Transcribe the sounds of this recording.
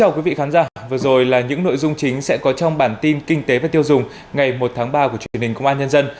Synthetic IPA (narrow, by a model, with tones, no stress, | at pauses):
t͡ɕaː˧wkwi˨˦vḭ˧˨xaː˨˦nzaː˧˩vɨ˨˩zo˨˩jlaː˨˩ɲɨ̰˧˥ŋno̰˧˨jzʊ˧ŋ͡mt͡ɕï˨˦ŋ̟sɛ̰˧˥kɔ˨˦t͡ɕɔ˧wŋ͡mɓaː˧˩nt̪i˧nkï˧ŋ̟t̪e˨˦vaː˨˩t̪i˧əwzʊ˨˩ŋ͡m | ŋa˨˩jmo˨˩t̚t̪ʰaː˨˦ŋɓaː˧ku˧˩ət͡ɕwi˧˩nhi˨˩ŋkə̰˧˨ŋ͡mʔaː˧ɲə˧nzə˧n